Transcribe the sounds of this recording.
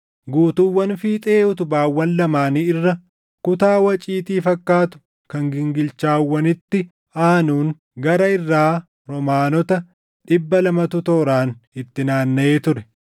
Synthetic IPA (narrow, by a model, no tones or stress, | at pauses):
ɡuːt̪uwːɐnfiːt̪ʼeːʊt̪ʊbaːwːɐnlɐmaːniːɪrːɐ | kʊt̪aːwɐt͡ʃʼiːt̪iːfɐkːaːt̪ʊ̥ | kɐŋɡɪŋɡɪlt͡ʃaːwːɐnɪt̪ːɪ | aːnuːn | ɡɐɾɐɪrːaː | ɾɔmaːnɔt̪ɐ | ᶑɪbːɐlɐmɐt̪ʊt̪oːɾaːnɪt̪ːɪnaːnːɐeːt̪ʊɾɛ